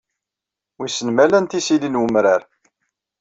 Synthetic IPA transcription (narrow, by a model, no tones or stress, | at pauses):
wisənmælænt̪isilinwəmɾaɾ